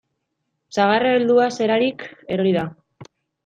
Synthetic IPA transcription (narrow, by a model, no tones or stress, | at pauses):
saɣaraeld̪uase̞ɾaɾike̞ɾo̞ɾiða